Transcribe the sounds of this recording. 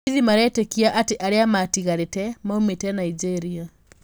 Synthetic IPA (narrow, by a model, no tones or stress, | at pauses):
ðimaɾɛtekiaʔateʔaɾeamatiɣaɾetɛmaumetɛnaid͡ʒeɾia